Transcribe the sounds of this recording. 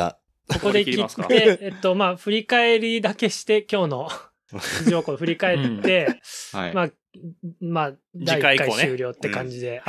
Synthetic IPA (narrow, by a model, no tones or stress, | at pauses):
kokko̞d̪e̞kʲḭːeet̪ːo̞maːɸɯ̟ɾʲikae̞ɾʲid̪ake̞ɕi̥t̪e̞kʲo̞ːno̞ | iʑo̞ːkod̪ɸɯ̟ɾʲikae̞ːe̞ | ma | maː | d̪aikaiɨːɾʲo̞ːt̪ːekãɲ̟d͡ʑid̪e̞